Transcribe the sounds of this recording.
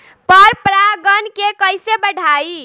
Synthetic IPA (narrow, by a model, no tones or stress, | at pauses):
pəɾpɾaɡənkekəjsebəɽʱai